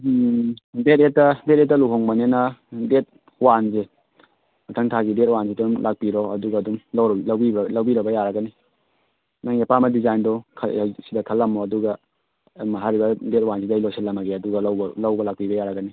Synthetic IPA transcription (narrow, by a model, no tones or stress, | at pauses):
det̚etːɐdet̚etːɐluɦoŋbɐnenɐdet̚ | wanze | mɐtʰɐŋtʰaɡidet̚wansidumlʔak̚piɾɔɐduɡɐːdumlawɾlɐwbiblɐwbiɾɐbɐjaɾɐɡɐni | naŋepamɐdizajndɔkʰsidɐkʰɐlːɐmɔɐduɡɐ | mɐɦaɾibɐdet̚wansidajloselːɐmɐɡeɐduɡɐlwblɐwbɐlak̚pibɐjaɾɐɡɐni